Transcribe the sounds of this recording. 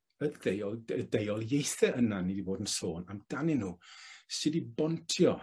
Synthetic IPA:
əðdejɔlˠədejɔlˠjejθɛʔənaniːdiboːdənsoːnamd̥anɪnuːsɪdibɔntʰjɔ

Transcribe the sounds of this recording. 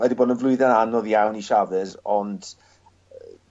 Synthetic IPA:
ɛdiboːdənvlˠʊɨðananɔðjawniʃavɨɾɔnd̥

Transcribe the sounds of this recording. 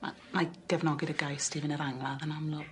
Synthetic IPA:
a̰ | maɡ̥ɛvnɔɡɪɾəɡajstʰivɪnəɾaŋlˠaðənamlˠʊ

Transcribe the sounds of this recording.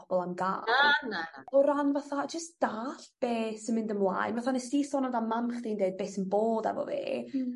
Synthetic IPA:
ɔb̥ɔlˠamɡa̰ːanaɔɾanvaθad͡ʒəstd̥aːɬb̥eːsənmɪ̃ndəmlˠa̰ɨnvaθanəsiːsɔnəndamamχd̥iːndeɨd̚beːsənboːdɛ̰vɔ̰vḛː

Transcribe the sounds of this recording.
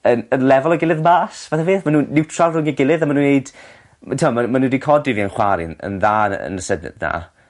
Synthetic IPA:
ənənlɛvɔlˠɔɡɪlˠɪðmaːsvaθaviːθmanuːnɪwtʰralˠrʊŋiɡɪlˠɨðamanuːnejd̥ | tʰamamanudikʰɔdɪviənχwaɾɪ̰nə̰nðaːnə̰nəsədnɛ̰dna̰

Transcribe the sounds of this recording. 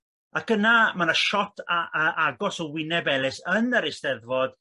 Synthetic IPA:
ak̚ɡ̥ənamanaʃɔtʰəʔaɡɔsɔwɪnɛbɛlˠɪsənəɾɪstɛðvɔd̥

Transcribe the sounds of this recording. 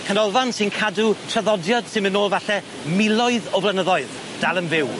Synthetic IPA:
kʰənɔlˠvansɪnkʰadutʰrəðɔdjɔd̥sɪnmənoːlˠvaɬɛ | mɪlˠɔɨðɔblˠənəðɔɨð | d̥alˠənvɪw

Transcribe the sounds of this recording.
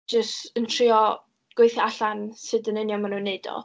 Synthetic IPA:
d͡ʒəstəntʰriɔ | ɡ̥wejθjɔaɬansɨdənɪnjɔmanunːeɨdɔ̰

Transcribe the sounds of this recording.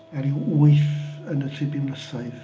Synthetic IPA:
ɛɾiwuɨθənətʰrɪbɪmnəsaɨð

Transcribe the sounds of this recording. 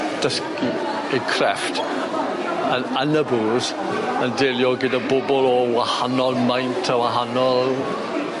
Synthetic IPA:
d̥əski | ekʰrɛftʰ | ənənəbuz | əndɛlˠjɔɡɪdabʊbɔlɔwahanɔlˠmajntʰəwaɦanɔl

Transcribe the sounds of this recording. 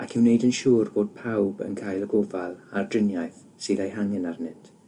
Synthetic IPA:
akʰɪwnejdənʃuːrboːd̥̚pʰawbə̰nkʰaːjlˠəɡɔvalˠardrɪnjajθ | siːðajɦaŋɛnarnɪd̥

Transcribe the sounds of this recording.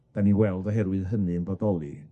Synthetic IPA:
b̥ɛniwɛlˠdɔɦɛɾwɨðɦənɨnbɔdɔlˠi

